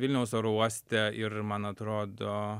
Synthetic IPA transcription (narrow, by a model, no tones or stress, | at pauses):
ʋɪlʲnʲɛʊsoɾuɔsʲt̪ʲɛɪɾmɑnɐt̪ɾoːd̪o